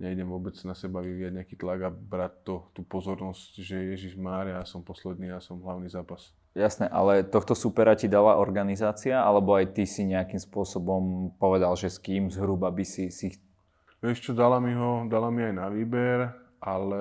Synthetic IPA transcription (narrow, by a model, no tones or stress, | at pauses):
ɲɛiɟɛmʋʊɔbɛd͡znasɛbaʋiʋijaɟɲɛakiːt̪laɡabɾatt̪ːɔt̪uːpɔzɔɾnɔscʒɛjɛʒiʒmaːɾiajaːsɔmpɔslɛd̪̚niːjasɔmɦlaʊniːzaːpas | jasnɛʔa̰lɛt̪ɔxt̪ɔsupɛɾacid̪alaʔɔɾɡanizaːt͡siaʔalɛbɔajt̪isiɲɛakimspʊɔsɔbɔmpɔʋɛd̪alʒɛskiːmzɦɾubabisisi | ʋɛʃt͡ʃɔd̪alamiɦɔd̪alamiajnaʋiːbɛɾ | ʔalɛ